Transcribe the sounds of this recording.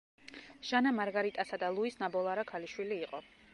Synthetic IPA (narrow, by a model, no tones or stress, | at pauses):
ʒ̥anamaɾɡaɾit̪ʼasad̪alˠuisnabɔlˠaɾakʰaliʃwiliːqʼɔ